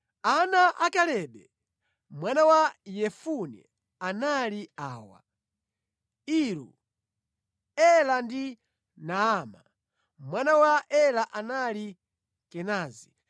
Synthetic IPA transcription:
anaʔakalɛɓɛ | mwanawajɛfunɛ̰ | analiaːwa̰ | iɾṵ | ɛlandi | naama̰ | mwanawaʔɛlaʔanali | kɛnaːzi

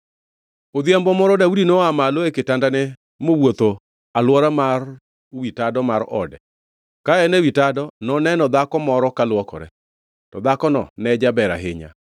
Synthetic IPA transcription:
od̪jɛmbɔmɔɾɔdaudinoamaloeketandanɛ | mowot̪o | alwɔɾamar | witadɔmaɾɔ̰dɛ | kaɛnɛwitadɔnɔnɛnɔd̪akɔmɔɾɔkalwɔkɔ̰ɾɛ̰ | tɔd̪akɔnɔnɛd͡ʒabɛɾa̰ɦɪɲa̰

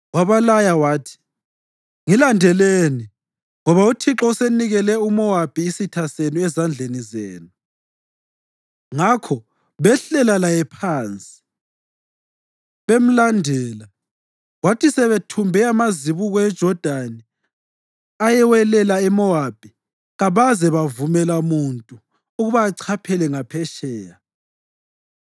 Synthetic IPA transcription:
waβalajawaːtʰi̥ | ŋilandʱɛleni | ŋɔβautʰiǁɔuseniɣɛlɛumɔwab̥ʱiːsitʰaseniɛzand͡ɮʱenizeːnu | ŋakʰɔ | βɛɬɛlalajɛpʰaːnt͡sʼi̥ | βem̩landʱɛːla | ɣwatisɛβetʰumbʱɛamaziβuɣɔɛd̥ʒ̥ʱɔd̥ʱani | ajɛwɛlɛlaɛmɔab̥ʱi | ɣaβazɛβavumɛlamuntʼu | uɣuβaːǀʰapʰɛlɛŋapʰɛʃɛːja

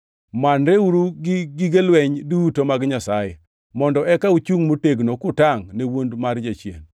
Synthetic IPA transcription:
manɾeuɾuɡɪɡɪɡelwɛɲdutomaɡɲasaje | mɔndɔɛkaut͡ʃuŋmoteɡnokʊtaŋnewondmard͡ʒat͡ʃjḛn

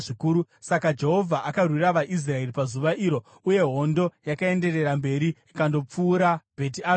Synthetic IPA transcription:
ʐikuːɾu | sakad͡ʒe̞ɦo̞vʱaʔakarwiraʋaʔis̬rae̞ripazuʋaʔiɾo̞ | uje̞ɦo̞ndo̞jakae̞nde̞re̞ɾambe̞ɾiikando̞p͡fuːɾab̥ʱe̞t̬iaː

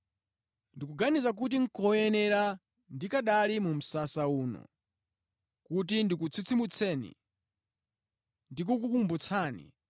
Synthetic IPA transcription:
ndik̬uɡanizak̬ut̬iŋ̩kɔjɛnɛɾa | ndikaɗalimum̩sasauːnɔ̰ | kut̬indik̬ut͡sʰit͡sʰimut͡sʰɛnḭ | ndik̬uk̬ukumbut͡sʰaːnḭ

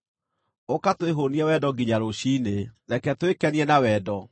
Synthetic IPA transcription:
okatweɦoniɛwɛdɔɡiɲaɾoɕiːnenɛkɛtwekɛniɛnawɛːdɔ

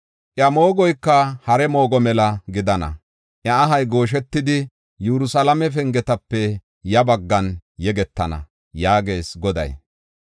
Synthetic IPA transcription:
ʔjɐmo̞ːɡɔjkːɐhɐɾɛmo̞ːɡɔmɛlɐɡɪd̪ɐnɐ̰ | ʔjɐːɦɐjɡo̞ːʃ̬ɛt̪ːɪd̪ɪ | juɾʊsɐlɐmɛf̬ɛŋɡɛt̪ɐpːɛ | jɐbɐɡːɐnjɛɡɛt̪ːɐnɐ̰ | jaːɡe̞ːsɡɔd̪ɐ̰j

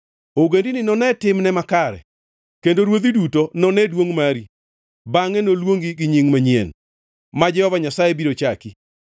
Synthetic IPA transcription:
oɡendinɪnɔnɛtɪmnɛmakaɾɛ̰ | kendoɾwod̪idutonɔnɛdwoŋmaɾi | baŋɛnolwoŋɡiɡiɲiŋmaɲiɛn | mad͡ʒɛhɔvaɲasajebiɾot͡ʃaki

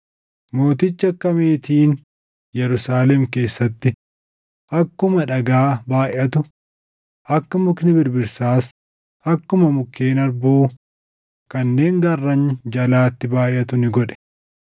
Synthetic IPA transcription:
mo̞ːt̪ɪt͡ʃːɐkːɐmeːt̪iːn | jɛɾʊsaːlɛmke̞ːsːɐt̪ːɪ | ʔɐkːʊmɐᶑɐɡaːbaːjʔɐt̪ʊ | ʔɐkːɐmʊknɪbɪɾbɪɾsaːs | ɐkːʊmɐmʊkːe̞ːnɐɾbuː | kɐnːe̞ːŋɡɐrːɐnd͡ʒɐlaːt̪ːɪbaːʔʔɐt̪ʊnɪɡɔᶑɛ̥

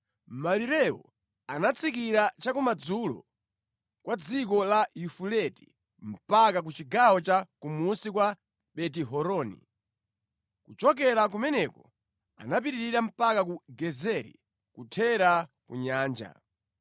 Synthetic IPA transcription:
maliɾɛwɔ̰ | anat͡sʰik̬iɾat͡ʃakumad͡zulɔ̰ | kwad͡zikɔlajufulɛti̥̰ | m̩pakak̬ut͡ʃiɡawɔt͡ʃakumusikwa | ɓɛt̬iɦɔɾɔːnḭ | kut͡ʃɔk̬ɛɾak̬umɛnɛkɔ | a̰nap̬iɾiɾiɾam̩pakak̬uɡɛzɛɾḭ | kutʰɛɾa | kṵɲaːnd͡ʒa̰

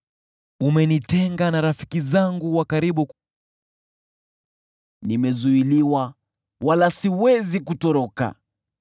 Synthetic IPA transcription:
umɛnitɛŋɡanaɾafi̥kizaŋɡuwakaɾiɓu | nimɛzuiliwa | walasiwɛzikutɔɾɔka̰

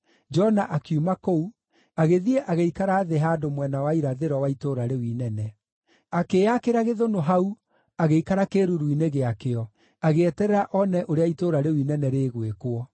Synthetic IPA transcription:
d͡ʒɔnaʔakjumakou | aɣeðiɛʔaɣeikaɾaːðeɦaːdomwɛnawaiɾaðeɾɔwaitoɾaɾewinɛnɛ | akeːakeɾaɣeðonoɦau | aɣeikaɾakeɾuɾuineɣeakeɔ | aɣeɛtɛɾɛɾaʔɔnɛʔoɾeaitoɾaɾewinɛnɛɾeːɣwekoɔ

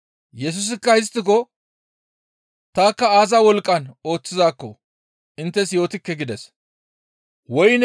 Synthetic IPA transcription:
jɛs̬ʊs̬ɪkːɐhɪs̬t̪ːɪkɔ | t̪aːkːɐaːzawɔlkʼːɐno̞ːt͡sːɪzaːkːɔ | ʔɪnt̪ːɛsjo̞ːt̪ɪkːɛɡɪd̪ɛs | wɔjn

